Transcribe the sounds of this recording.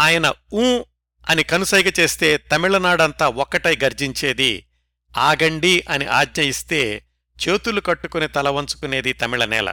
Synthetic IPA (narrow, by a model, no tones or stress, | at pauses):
aːjɐnɐũː | ɐnikɐnusɐjɡɐt͡ʃe̞ːst̪e̞ːt̪ɐmiɭɐnaːɽɐnt̪aːɔkːɐʈɐjɡɐɾd͡ʒiɲt͡ʃe̞ːd̪ḭ | aːɡɐɳɖiʔɐniʔaːdɲɐjist̪e̞ː | t͡ʃeːt̪ulukɐʈːukunit̪ɐlɐʋɐnt͡ʃu̥kune̞ːd̪it̪ɐmiɭɐnɛ̰ːlɐ̰